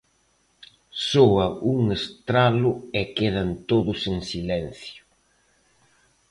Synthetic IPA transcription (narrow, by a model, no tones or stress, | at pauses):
soɐʔuŋest̪ɾalʊɛkeðɐnt̪oðʊseŋsilɛn̟θjʊ̥